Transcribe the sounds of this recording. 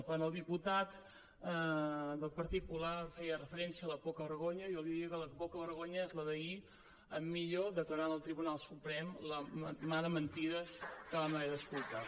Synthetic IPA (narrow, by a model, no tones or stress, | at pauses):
pənəlˠd̪iput̪at̪ | d̪əlˠpəɾt̪it̪̚pulafɛjərəfəɾɛnsiəːləpokəβəɾɣoɲəjolˠiðiəkələpokəβəɾɣoɲəezləðəi | əmːiʎoðəkləɾanəlˠt̪ɾiβunalˠsupɾɛmləmaðəmənt̪iðəskəβamaðəskulˠt̪a